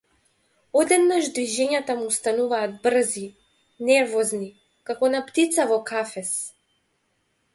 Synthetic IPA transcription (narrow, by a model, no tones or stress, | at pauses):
ɔd̪ɛd̪naʒd̪viʒɛɲat̪amuːst̪anuvaːd̪̚br̩zi | nɛɾvɔzni | kakɔnapt̪it̪savɔkʰafɛs